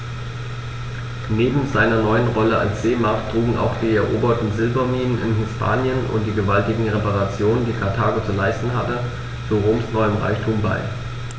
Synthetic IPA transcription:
neːbm̩zaɪnɐnɔʏənʁɔləa̰lsz̥eːmaɐktʁ̥uːɡŋ̩ʔa̰ʊxd̥iːɛɐʔoːbɐtn̩zɪlbɐmiːnənɪ̰nɦɪspʰa̰ːnjənʊ̰nt̚d̥iːɡəvaltɪɡŋ̩ʁepaʁat͡sjoːnəndiːkʰaɐtʰaːɡot͡sulaɪstn̩ɦatə | t͡suʁoːmsnɔʏəmʁa̰ɪçtʰuːmba̰ɪ

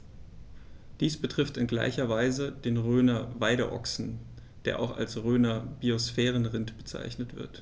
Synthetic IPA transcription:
d̥iːsb̥ətʁ̥ɪftɪnɡla̰ɪçɐvaɪzədeːnʁøːnɐvaɪɾə̰ʔɔ̰ksn̩ | d̥eːɐʔa̰ʊxa̰lsʁøːnɐb̥iosfɛːʁ̞ənʁɪntb̥ət͡sa̰ɪçnətv̥ɪ̰ɐt

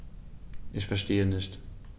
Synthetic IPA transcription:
ʔɪçfɛɐʃteːənɪçt

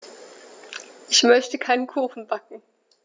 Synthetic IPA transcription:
ʔɪçmœçtəkʰaɪnənkʰuːxn̩bakŋ̩

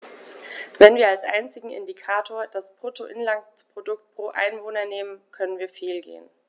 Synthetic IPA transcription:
vɛnviːɐalsʔa̰ɪnt͡sɪɡŋ̩ʔɪ̰ndikʰaːtʰoːɐd̥aspʁ̥otʰoʔɪnlaŋpʁ̥odʊk̚t̚pʁ̥oːʔa̰ɪnvoːnɐneːmənkʰœnənviːɐfeːlɡḛːən

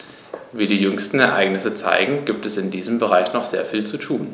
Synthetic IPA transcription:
viːdiːjʏŋstn̩ɛɐʔa̰ɪɡnɪsət͡sa̰ɪɡŋ̩ɡiːp̚tɛsɪndiːzəmbəʁ̞aɪçnɔχz̥ḛːɐfiːlt͡sutʰuːn

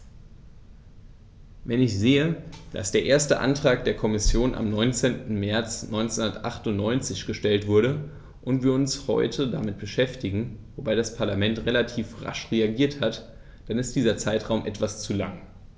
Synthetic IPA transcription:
vɛnɪçz̥eːəd̥a̰sd̥eːɐʔeːɐstəʔa̰ntʁ̥aːk̚d̥eːɐkʰɔmɪsjoːnʔa̰mnɔʏnt͡seːntn̩mɛɐt͡snʔɔʏnt͡senʊndɐtʔaχtʊntnɔʏnt͡sɪçɡ̥əʃtɛltv̥ʊɐɾə | ʔʊntv̥iːɐʊnshɔ̰ʏtʰədamɪt̚b̥əʃɛftɪɡŋ̩vobaɪdaspʰaɐlamɛntʁelatʰiːfʁa̰ʃʁeaɡiːɐthat | d̥anɪst̚d̥iːzɐt͡saɪtʁ̥aʊmʔɛtv̥ast͡sula̰ŋ

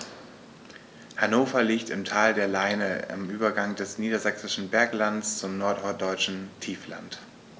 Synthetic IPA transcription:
hanoːfɐliːktɪmtʰaːldeːɐlaɪnəɪ̰mʔyːbɐɡaŋdɛsniːdɐzɛksɪʃn̩bɛɐklanst͡sʊmnɔɐtɔɐd̥ɔʏt͡ʃn̩tʰiːfla̰nt

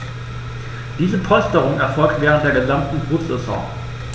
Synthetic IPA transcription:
d̥iːzəpʰɔʏstəʁʊŋɛɐfɔlk̚tveːʁ̞ənt̚d̥eːɐɡəzamtn̩bʁusɛ̰sɔ̰̃ː

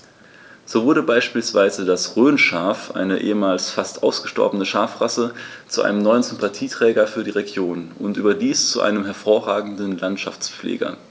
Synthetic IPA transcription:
z̥oːvʊɐɾəbaɪʃpiːlsv̥aɪzədasʁøːnʃaːfʔa̰ɪnəʔḛːəmaːlsfastʔaʊsɡ̥əʃtɔ̰ɐbənəʃaːfʁasət͡suʔa̰ɪnəmnɔʏənzʏmpatʰiːtʁ̥ɛːɡɐfyːɐɾiːʁeɡjoːnʊntʔyːbɐdiːst͡suʔa̰ɪnəmɦɛɐfoːɐʁaːɡŋ̩dn̩lantʃa̰ft͡sp͡flḛːɡɐ̰

